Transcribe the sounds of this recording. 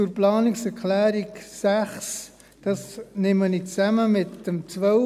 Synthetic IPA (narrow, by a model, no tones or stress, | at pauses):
t͡sʊɾplɑːnɪksɛɾkʰlæːɾiksæχs | d̥ɑsnɪmənit͡sæməmɪtd̥əmt͡sʋœ